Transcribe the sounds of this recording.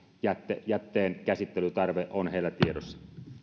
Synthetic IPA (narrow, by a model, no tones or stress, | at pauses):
jæt̪ːejæt̪ːeːnkæsit̪ːelyt̪ɑrʋeʔʔonheˑilːæt̪iedosːɑ̥